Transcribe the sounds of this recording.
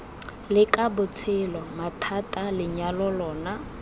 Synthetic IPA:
lɪkʼabʊt͡sʰɪlɔmatʰatʼalɪɲalɔlɔːna

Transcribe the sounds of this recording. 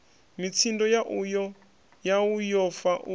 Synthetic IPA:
mit͡sʰindɔjaʔujɔ | jaujɔfaʔu

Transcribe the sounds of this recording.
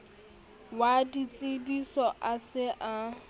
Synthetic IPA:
wadit͡sʼɪbisɔʔasɪʔa

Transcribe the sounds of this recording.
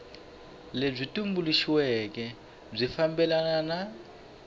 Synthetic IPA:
leb͡ʐʷitʼumbuliʃiwɛk̬ɛ | b͡ʐʷifambɛlanana

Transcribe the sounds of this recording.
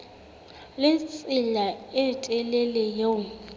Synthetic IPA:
lɪt͡sʼɪlaɛtʼɛlɛlɛjo

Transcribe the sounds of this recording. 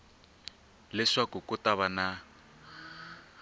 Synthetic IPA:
lɛʂakukutaβana

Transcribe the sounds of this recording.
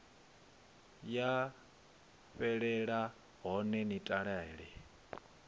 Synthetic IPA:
ja | ɸɛɺɛɺa | ɦɔnɛnitʼaɺɛːɺɛ

